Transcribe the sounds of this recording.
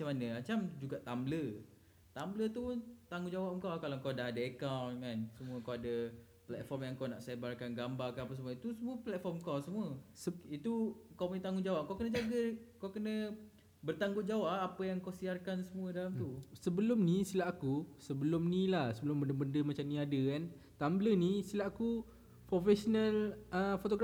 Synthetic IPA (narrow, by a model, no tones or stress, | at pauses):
mat͡ʃamanə̃at͡ʃamd͡ʒuɡaʔt̪amblə | t̪amblət̪ut̪aŋũd͡ʒawapuŋkawkalakawdaɦadaekawnkansəmũəkawadə | plɛt̪̚fɔrmjaŋkawnaʔsebarkanɡambarkanapəsmuəit̪usəmuəplɛt̪̚fɔrmkawsəmũəsit̪ukawpit̪aŋud͡ʒawap̚kawkənəd͡ʒaɡəkawkənə̃ | bərt̪aŋɡʊt̪̚d͡ʒawaʔapəjaŋkawsiarkansəmũədalamt̪usəbəlʊmnisilaʔkusəbəlʊmnilahsəbəlʊmbəndəbəndəmat͡ʃamniadəkant̪ambələnisilaʔaku | pɾofɛsonaləfot̪oɡa